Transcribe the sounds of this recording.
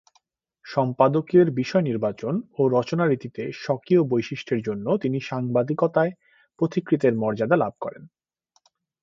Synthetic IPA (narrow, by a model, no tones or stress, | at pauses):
ʃɔmpad̪okeɾbiʃɔeniɾbat͡ɕonoɾɔt͡ɕonaɾit̪it̪eʃɔkiobojʃiʃʈʰeɾd͡ʑonːot̪iniʃaŋbad̪ikot̪ae | pɾot̪ikɾit̪eɾmɔɾd͡ʑad̪alab̚ʱkɔɾḛn